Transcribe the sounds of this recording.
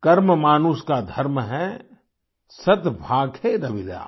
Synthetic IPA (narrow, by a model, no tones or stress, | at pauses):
kɐɾməmaːnuskad̪ʱɐɾmɦɛ | sɐt̪bʱaːɡʱeɾɐʋɪla̰ː